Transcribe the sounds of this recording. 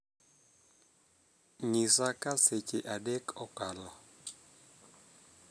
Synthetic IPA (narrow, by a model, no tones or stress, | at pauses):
ɲisakaseceʔadɛkɔkala